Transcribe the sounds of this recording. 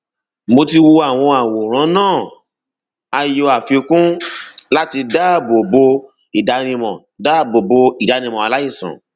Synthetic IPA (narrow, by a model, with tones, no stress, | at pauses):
mo˧ti˧wo˧a˦˨w̃ɔ̃˧a˨wo˨ɾ̃ã˨˦nãː˦˨ | a˧jo˧a˨fi˧o˧kũ˦la˦ti˧da˦bo˨bo˧ | i˨da˨˧nĩ˧mɔ̰̃˨ | da˦bo˨bo˧i˨da˨˧ñĩ˧mɔ̃˨a˨˧la˦i˦˨sã̰˨